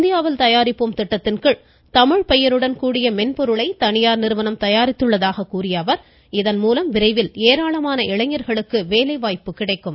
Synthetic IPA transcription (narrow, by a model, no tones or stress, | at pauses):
nd̪ɪjaːʋɪlt̪ɐjaːɾɪpːɯmt̪ɪʈːɐt̪ːɪnkɯɭ | t̪ɐmɪɻpɛjɐɾɯɽɐnkuːɽɪjɐmɛnpɔɾɯɭɐɪt̪ɐɳɪjaːɾnɪɾɯʋɐnɐmt̪ɐjaːɾɪt̪ːɯɭːɐðaːɣɐkuːrɪjɐʋɐɾ | ɪðɐnmuːlɐmʋɪɾɐɪʋɪleːɾaːɭɐmaːnɐʔɪɭɐŋɐɾɣɐɭɯkːɯʋeːlɐɪʋaːjpːɯkɪɽɐɪkːɯm